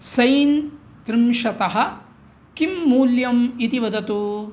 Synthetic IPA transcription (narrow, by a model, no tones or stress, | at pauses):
sɐjn | t̪ɾimʃɐt̪ɐɦɐ̆ | kimːuːljɐmit̪iʋɐd̪ɐt̪u